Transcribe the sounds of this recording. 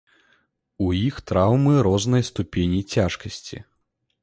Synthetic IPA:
ujixt̪ɾawmɨɾɔznɐjst̪upʲenʲit͡sʲaʂkɐsʲt͡sʲḭ

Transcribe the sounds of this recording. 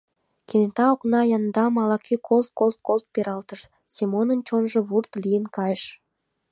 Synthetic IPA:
kenet̪ɑoknɑjɑnd̪ɑmɑlɑkykʰolt̪̚kolt̪̚kolt̪̚peɾɑlt̪əʃ | simonənt͡ɕonʒɤ̆βurt̪lijənkɑjəʃ

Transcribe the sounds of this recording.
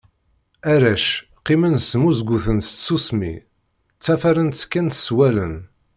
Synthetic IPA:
æɾæʃ | qimənsmuzɡuθənst̪susmḭ | t͡sːæfæɾənt̪ːə̥kːænt̪swælən

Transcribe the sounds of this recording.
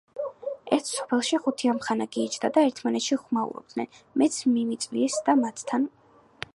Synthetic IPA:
ɛɾt̪ʰsɔ̥pʰɛlˠʃiχut̪ʰiamχanaɡiːt͡ʃʰd̪ad̪aɛɾt̪ʰmanɛt̪ʃiχmaṵɾɔ̰b̥̚d̪̥nɛ̰nmɛt̪sʰmimit̪sʼliɛsd̪amat̪ʰt̪ʰːan

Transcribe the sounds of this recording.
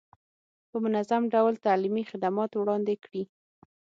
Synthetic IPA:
pəmʊnazamɖawlt̪alimixɪd̪amɑt̪wɽɑnd̪ekɽi

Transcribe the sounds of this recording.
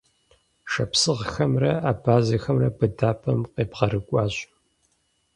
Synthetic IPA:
ʃɐpsɨʁxɐmrɐaːbʰaːzɐxɐmrɐbɨdaːpʰɐmqeːpʁɐɾɨkʷʼɑːɕʼ

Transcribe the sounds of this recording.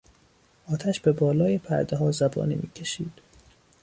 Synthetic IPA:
ʔɒːt̪ʰæʃbe̞bɒːlɒːjepʰæ̰ɾd̪eɦɒːzæbɒ̰ːnḭːmiːcʰe̞ʃiːd̪̥

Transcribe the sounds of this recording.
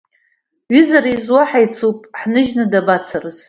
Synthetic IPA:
ɥizaɾizwaħajt͡sʰupʼħnɨʒnɨdabat͡sʰarɨz̥

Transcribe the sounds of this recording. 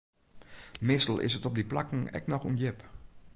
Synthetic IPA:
mɪstl̩ˠɪ̰sətɔp̚diplakŋ̩ɛ̰knɔxunjɪp

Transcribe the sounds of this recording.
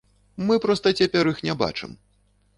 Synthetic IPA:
mɨpɾɔst̪ɐt͡sʲapʲɛɾixnʲɛba̰t͡ʂɨ̰m

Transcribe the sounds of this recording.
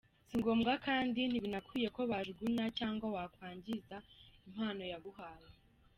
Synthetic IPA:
siŋɡo̞ːmɡakaːndin̥iβinakʰije̞ko̞βaʒɡinacaːŋɡawakwaːɲɟizaim̥haːno̞jaɡuɦaːje

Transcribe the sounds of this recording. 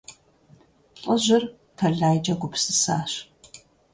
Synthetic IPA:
qʷʼɔʑʷɪr | tʰɐɮaːjd͡ʒʼɐɡʷʊpsɨsa̰ːɕ

